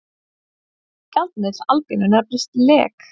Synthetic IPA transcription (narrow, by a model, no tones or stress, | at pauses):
kalt̪̚nɪ̥alpinʏnɛpɾɪst̪lɛ̰ːk